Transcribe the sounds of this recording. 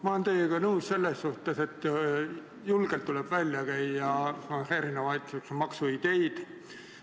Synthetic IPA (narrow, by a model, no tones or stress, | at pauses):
mɑent̪eːjeɡ̥ɑnɤusse̞lːesːuht̪ese̞t̪ːˑ | julɡ̥elt̪ːuleb̥vælʲjɑkæjɑheːɾinɑmɑjt̪suksomɑksuid̪̥e̞jd̪̥